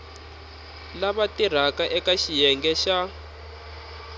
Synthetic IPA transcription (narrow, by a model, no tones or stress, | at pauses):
laβatir̤akaʔɛkaʃijɛŋɡɛʃa